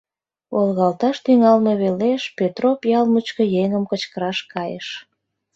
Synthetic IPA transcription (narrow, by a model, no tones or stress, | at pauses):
olɣɑlt̪ɑʃt̪yŋɑlmeβeleʃpet̪ropjɑlmut͡ɕkəjeŋəmkət͡ɕkəɾɑʃkɑjəʃ